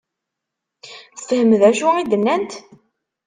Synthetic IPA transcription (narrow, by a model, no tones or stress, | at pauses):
θə̥fəhəməðæʃuid̪ənːænt̪